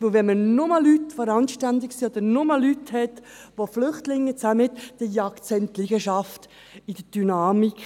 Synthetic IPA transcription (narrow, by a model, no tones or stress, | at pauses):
ʋɪlʋɛnmənʊməlːytfɔɾɑnʃtændɪksiod̥̪əɾnʊməlːythɛt | ʋoflʏχtlɪŋːət͡saməɪt̪d̥əjɑktt͡sɛntliɡ̥əʃɑft | ɪd̥əd̥ynɑːmik